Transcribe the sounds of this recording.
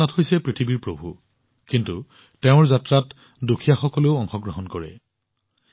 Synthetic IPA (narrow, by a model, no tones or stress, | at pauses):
athɦojsɛpɹitʰibiɹpɹobʱṵ | kintu | teʊ̃ɹzatɹat | dukʰijaxɔkɔleʊɔŋxɔɡɹɔɦɔnkɔɹɛ̰